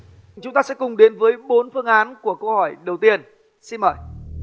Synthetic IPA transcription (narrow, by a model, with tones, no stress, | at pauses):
t͡ɕʊ˨˦ŋ͡mt̪aː˧sɛ̰˧˥kʊ˨˩ŋ͡mɗe˨˦nvəː˨˦jɓo˨˦nfɨ˧əŋʔaː˨˦nku˧˩əkə˧whɔ˧˩jɗə˨˩wt̪i˧ən | si˧nməː˧˩j